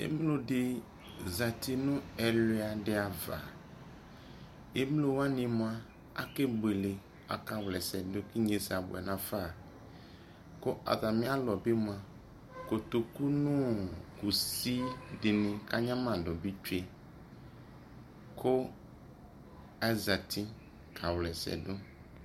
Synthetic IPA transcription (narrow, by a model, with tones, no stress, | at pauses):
ḛ˨˦m˦lo˨dɪ˦ | za˨tʰi˨nʊ̃˦ɛ˨le˨˦a˨dɪ˨a˨va̰˨ | e˦m˦lo˨wa˦nɪ̃˨mʊ̃˦a˦ | a̰˦ke˦be˨lɪ˨ | a̰˨ka˦wlɛ˨sɛ˨dʊ˦kɪ˦ɲe˨sa˨bʊ̰˨ɛ̰˨nã˨fa˦˨ | ko˦ʔa̰˨ða˨mɪ̃˦a˦lɔ˨be˦mũ˨a˨ | ko˨t̪o˨ku˦nũ˦ku˨si˦dɪ˨nɪ̃˨ka˦ɲã˦mã˨dʊ˨bi˦t͡ʃe˦ | kʰo˦ | a˨za˨t̪ʰi˦ | kʰa˨wlɛ˨sɛ̰˨dʊ˦